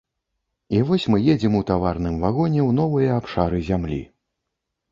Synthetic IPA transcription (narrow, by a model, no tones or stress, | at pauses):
ivɔsʲmɨjed͡zʲimut̪avarnɨmvaɣɔnʲɛwnɔvɨjɐapʂaɾɨzʲamlʲḭ